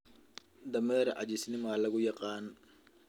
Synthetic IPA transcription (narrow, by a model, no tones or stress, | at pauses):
d̪ɐmɛːɾɐʔɐ̰t͡ʃɪsnɪmɐlɐɣʊjɑqɑːn